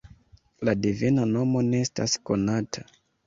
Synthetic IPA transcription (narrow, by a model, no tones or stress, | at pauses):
ladivinano̞mo̞neesta̰sko̞natʰa